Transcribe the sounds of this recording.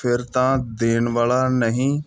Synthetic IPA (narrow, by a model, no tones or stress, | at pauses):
pʰɪɾt̪ãːd̪eːnʋaːlaːnəɦĩː